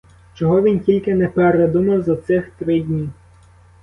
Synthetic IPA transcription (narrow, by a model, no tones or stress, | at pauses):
t͡ʃɔɦɔʋʲintʲilʲkɪnɛpeɾed̪umɐwzɐt̪sɪxt̪ɾɪdʲnʲi